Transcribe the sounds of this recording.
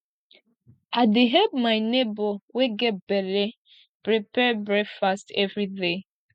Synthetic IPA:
aɪdeɦɛb̚maɪneboweɡɛt̚bɛle | pɾipɛbɹɛkfastɛvɹide

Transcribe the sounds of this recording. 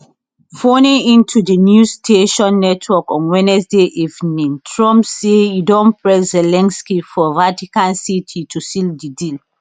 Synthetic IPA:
fonĩŋĩntʰudənjustʰeʃɔ̃nːɛtʰwɔkɔ̃nwɛ̃nɛsdeʔivnĩntʰɹɔ̃mpsejudɔ̃npɹɛszɛlɛ̃nskifɔvatikãnsitʰitʰusildidil

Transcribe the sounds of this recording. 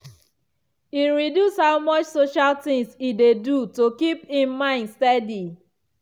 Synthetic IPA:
iɹidjushaʊmɔt͡ʃsoʃaltĩŋsidedutokipĩmmãɪ̃ndstɛdi

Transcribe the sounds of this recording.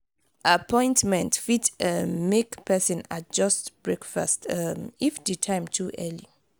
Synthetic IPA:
apʰɔ̃ɪ̃ntmɛ̃ntfitmekpʰɛsɔ̃nat̚d͡ʒɔstb̥ɹɛkfa̰stmifditʰãɪ̃mtʰuʔɛli

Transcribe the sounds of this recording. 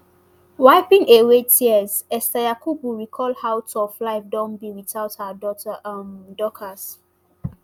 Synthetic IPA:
waɪpĩŋewetʰiəzɛstajakubuɹikʰɔlhawtʰɔflaɪfdɔ̃nbiwitaʊthədɔtəʔamdɔkʰəs

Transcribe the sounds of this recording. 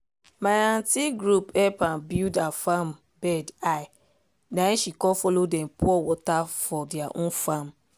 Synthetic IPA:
maãntiɡɹupɛpãnbildafam | bɛdaj | nãʃikɔfɔlodɛ̃mpɔwɔtafɔdiaʔõnfam

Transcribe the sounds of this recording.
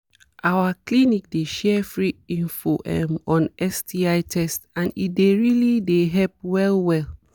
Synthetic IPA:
ʔawaklinik̚deʃɛfɹiĩnfoʔɛ̰̃mɔ̃nɛstʰiaɪtʰɛstãnḭdeɹilideɦɛlp̚wɛlwɛl

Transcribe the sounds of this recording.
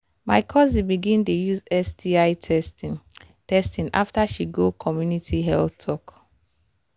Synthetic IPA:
maɪkʰɔzibiɡĩntujuzɛstiaɪtʰɛst | tɛstĩna̰ftaʃiɡokʰɔmjunitʰiɦɛltʰɔk

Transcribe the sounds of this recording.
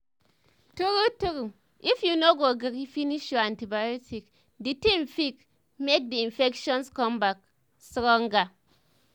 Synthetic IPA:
tukutuku | ifjunoɡoɡɨkifiniʃjoantibajotʰik | ditiɱ̩fik̚ | mek̚diinfekʃɔnskɔmbak̚ | sɨkɔŋ̩ɡa

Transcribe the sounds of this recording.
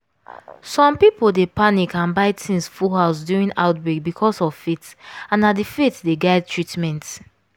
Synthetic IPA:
sɔ̃mpipoldepanikʰãnbaɪtʰĩnsfuɦaʊsduɹĩna̰ʊtbɹek̚bikʰɔsɔvfitãnadifetdeɡaɪd̚tʰɹitmɛ̃nt

